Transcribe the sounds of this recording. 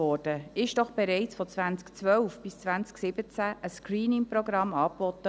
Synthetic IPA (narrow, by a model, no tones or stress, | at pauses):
ɔɾd̥əɪʃd̥ɔχb̥ɛɾɛɪt͡sfɔt͡svænt͡skt͡svœlfb̥ɪst͡svænt͡sksɪb̥ət͡sæʔəskriːnɪŋprɔɡɾɑmɑːpbɔt̪ːə